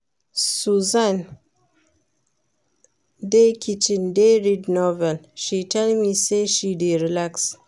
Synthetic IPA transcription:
suzãn | dekʰit͡ʃĩndeɹidnɔvɛlʃitʰɛlmiseʃideɹilaks

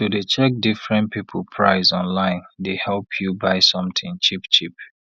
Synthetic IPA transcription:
tudet͡ʃɛk̚difɹɛ̃ntpʰipʰəl̩ˠpʰɹaɪzɔ̃nlãɪ̃ndehɛlˠpʰjubaɪsɔ̃mtɪ̃ŋt͡ʃipt͡ʃip

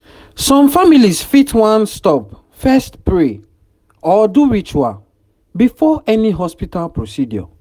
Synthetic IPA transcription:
sɔ̃mfamilisfitʰwãnstɔp̚ | fɛstpɹe | ɔduɹit͡ʃwa | bifɔɛniɦɔspitalpɹosidjɔ̰

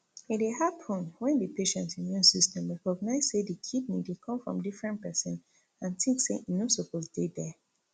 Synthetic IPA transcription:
itwehapʰɔ̃nwɛ̃ndipeʃɛ̃ntĩmjũnsistʰɛ̃mɹɛkɔɡnaɪz̥sedikʰid̚nidekʰɔ̃mfɹɔ̰̃mdifɹɛ̃nt̚pɛsɛ̃n | ãntĩŋkseʔinosopozdedɛ

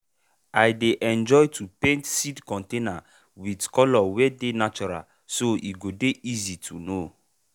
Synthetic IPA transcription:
ajdeʔɛ̃nd͡ʒɔjtʰupẽntsidkɔ̃ntẽna | widkɔlɔwɛdenat͡ʃɔɾa̰l | soiɡodeʔizitʰuno

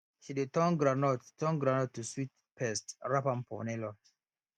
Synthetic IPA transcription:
ʃidetɔ̃ŋɡɾanɔttɔ̃ŋɡɾanɔtːuswit | pɛstɹapãmpʰɔ̰nɛlɔt

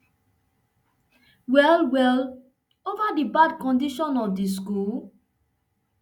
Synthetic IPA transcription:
wɛlwɛl | ovadibadkɔ̃ndiʃɔ̃nɔfdis̬kul

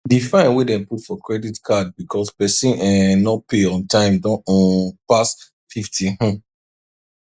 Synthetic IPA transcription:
difãɪ̃nwedɛ̃nputfɔkʰɹɛditkʰad̚bikʰɔspɛsĩnɛ̃nːɔtpeɔ̃ntʰãɪ̃mdɔ̃nɔnpas | fiftʰĩhɔ̃

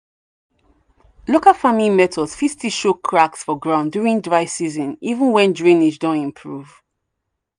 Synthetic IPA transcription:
lokalfamilimɛtɔsfiftʰiʃokʰɹaksfɔɡɹãʊ̃ndjuɹĩndɹaɪsizɔ̃nivũnwɛ̃ndɹĩnid͡ʒdɔ̃nɛ̃mpʰɹuv̥

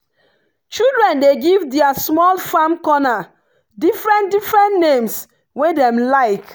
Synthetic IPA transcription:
t͡ʃildɹɛ̃ndeɡivdɛasmɔlfãmkɔna | difɹɛ̃ndifɹɛ̃ntnẽms | wedɛ̃mlaɪk

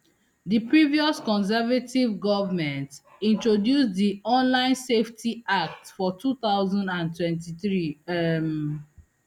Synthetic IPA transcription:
dipɹiviɔskɔ̃ns̬ɛvativɡɔvmɛ̃nt | ĩntɹodjusdiʔɔ̃nlãɪ̃nseftʰiak̚tfɔtʰut̪aʊzɔ̃ndãntwɛ̃ntiθɹim

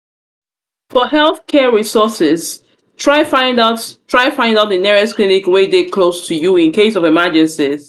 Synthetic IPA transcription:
fɔɦɛlˠθkʰɛɹisɔsɪz̥ | tʰɹ̥aɪfãɪ̃ndaʊttʰɹ̥aɪfãɪ̃ndaʊt̚ðənɛɹɛsklinɪkwedekʰlostʰujuɪ̃nkʰeɪsɔvɛməd͡ʒɛ̃nsɪz̥

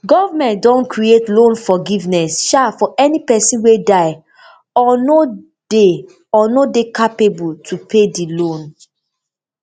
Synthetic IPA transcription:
ɡɔvamɛ̃nt̚dɔ̃nkɹietlõnfɔɡivnɛsʃafɔʔɛnipɛsĩnwedaɪ | ɔno | de | ɔnodekapebultʰupʰedilõn

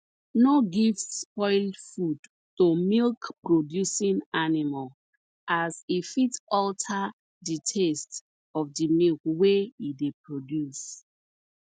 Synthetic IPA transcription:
noɡivsspɔɪlfud | tomilkpɹodjusĩnanimal | ʔasifitɔltʰa | ditʰest | ɔfdimilkweidepɹodjus

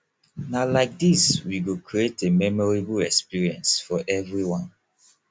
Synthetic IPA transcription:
nalaɪk̚diswiɡokʰɹietemɛmɔɹibəlɛkspiɹiɛ̃nsfɔʔɛvɹiwɔ̃n

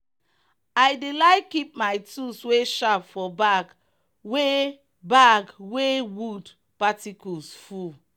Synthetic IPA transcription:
ajdelaɪkːip̚majtusweʃapfɔbaɡ | we | baɡwewud | patikusfu

